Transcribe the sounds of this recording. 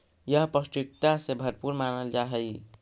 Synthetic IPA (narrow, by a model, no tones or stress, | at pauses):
jəɦpəsʈɾik̚t̪asebʱəɾpuɾmanəld͡ʒaɦəj